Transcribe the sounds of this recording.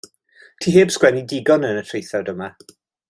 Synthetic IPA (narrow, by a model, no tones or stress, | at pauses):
tʰiːɦeːb̥skwɛnidɪɡɔnənətʰrejθadəma